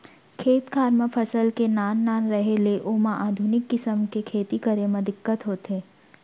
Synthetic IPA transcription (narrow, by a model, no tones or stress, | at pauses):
kʰeːt̪kʰaːɾməpʰəsəlkenaːnːaːnɾəɦeleʔoːmãʔaːd̪ʱʊnɪkːɪsəmkekʰeːt̪ikəɾemẽd̪ɪkːət̪ɦoːt̪eː